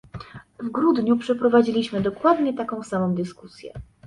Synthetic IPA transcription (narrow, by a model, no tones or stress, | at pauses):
vɡɾud̪ɲupʂɛpɾɔvad͡ʑilʲiɕmɘd̪ɔkwad̪ɲɛt̪akɔ̃w̃samɔ̃w̃d̪ɘskusʲjɛ̰